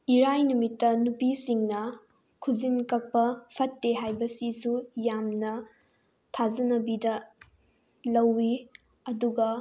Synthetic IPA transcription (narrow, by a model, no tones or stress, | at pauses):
iɾajnumitːɐnupisiŋnɐ | kʰuzinkɐk̚pɐpʰɐtːeɦajbɐsisujamnɐ | tʰazɐnɐbidɐ | lɐwːi | ɐduɡɐ